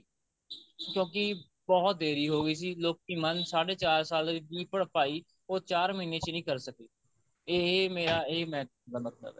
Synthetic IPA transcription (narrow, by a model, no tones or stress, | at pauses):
kjõːkɪ | bɔːt̪̚d̪eːɾiːɦoːɡəiːs̬iːloːk̚iːmənsaːɽeːt͡ʃaːɾsaːldibiːpəɽpaːiː | oːt͡ʃaːɾməiːneːt͡ʃnĩːkəɾsəkiː | emeːɾaːeːmɛ̃ːknd̪aːmət̪lə̰bɛː